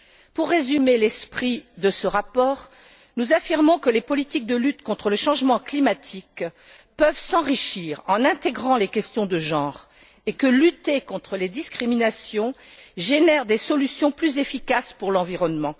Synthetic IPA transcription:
puʁːezymelɛspχid̪əsəʁapɔːʁ | nuzafiʁmɔ̃kəlepɔlit̪ik̚d̪əlyt̪kɔ̃t̪χələʃɑ̃ʒmɑ̃klimat̪ʰik | pœvsɑ̃ʁiʃiʁɑ̃nɛ̃t̪eɡʁɑ̃lekʲɛst̪jɔ̃d̪əʒɑ̃ʁ | ekəlyt̪ekɔ̃t̪χəled̪iskχiminasjɔ̃ʒenɛʁd̪esɔlysjɔ̃plyzefikaspuʁlɑ̃viʁɔnmɑ̃

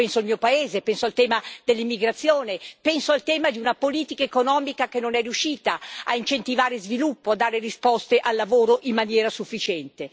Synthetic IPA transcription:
pɛnsoilmiːopaeːzepɛnsoalt̪ɛːmad̪̥elːimːiɡɾat̪sːjoːnepɛnsoalt̪ɛːmad̪iunapoliːt̪ikaekonɔːmikakenːonɛriuʃːiːt̪aa̰int͡ʃent̪ivaːɾezvilupːoad̪ːaːɾerispɔst̪eʔalːavoːɾoʔimːanjɛːɾasufːit͡ʃɛnt̪e

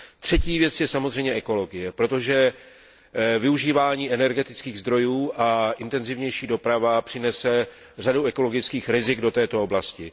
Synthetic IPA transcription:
t̪r̝̥ɛciːvjɛt͡sjɛsamozr̝ɛjɲɛʔɛko̞lo̞ɡɪjɛpɾo̞t̪oʒɛ | vɪuʒiːvaːɲiːʔɛnɛɾɡɛt̪ɪt͡skiːɣzd̪ɾo̞juːʔaʔɪnt̪ɛnzɪvɲɛjʃiːdo̞pɾavapr̥ɪnɛsɛ | raduʔɛko̞lo̞ɡɪt͡skiːxɾɪzɪɡdo̞t̪ɛːt̪o̞oblascɪ

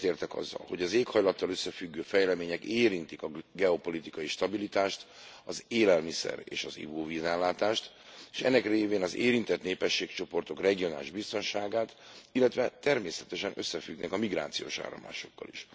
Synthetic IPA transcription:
t̪eːrt̪ɛkɒ̰zːɒ̰lho̞ɟɒzeːkhɒjlɒt̪ːɒløsːɛfyɡːøːfɛjlɛmeːɲɛkeːɾint̪ikɒɡɛo̞po̞lit̪ikɒjiʃt̪ɒbilit̪aːʃt̪ɒzeːlɛlmisɛ̰ɾḛːʃɒzḭbuːvizɛnlaːt̪aːʃt̪ | eʃɛ̰nːɛkreːveːnɒzeːɾint̪ɛt̪neːpɛʃːeːkt͡ʃo̞po̞rt̪o̞krɛɡio̞naːliʒbist̪o̞nʃaːɡaːt̪ilːɛt̪ʋɛt̪ɛrmeːsɛt̪ɛʃɛnʔø̞sːɛfyɡnɛ̰kɒmiɡra̰ːt̪sijo̰ːʃa̰ːɾɒ̰mla̰ːʃo̞kːɒ̰liʃ

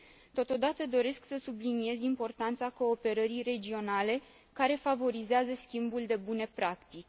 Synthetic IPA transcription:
t̪o̞t̪o̞d̪at̪əd̪o̞ɾe̞sksəsublinie̞zʲimpo̞rt̪ant̪sako̞ːpe̞ɾəɾijre̞d͡ʒio̞nale̞ | kaɾe̞favo̞ɾizeazəskʲimbuld̪e̞bune̞pɾakt̪it͡ʃʲ

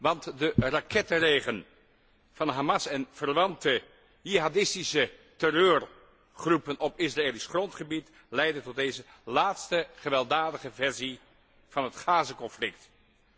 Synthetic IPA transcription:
ʋɑntdərakɛtərejχən | v̥ɑnɦamɑsɛnv̥ərʋɑntə | jiɦadɪstisətɛrøːr | χrupənʔɔpɪsraeːlisχrɔntχəbit | lɛjdəntɔt̚dejzə | laːtstəχəʋɛlˠdaːdəχəvɛɹzi | v̥ɑnɦətχaːzəkɔnflɪkt

